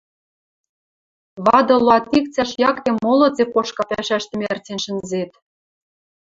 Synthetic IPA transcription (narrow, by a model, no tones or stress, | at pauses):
βɑd̪ɤ̆loɑt̪ːik̚t͡sæʃjɑkemolɤ̆t͡sekoʃkɑpæʃæʃt̪ɘ̆mʲert͡senʃə̆nzet̪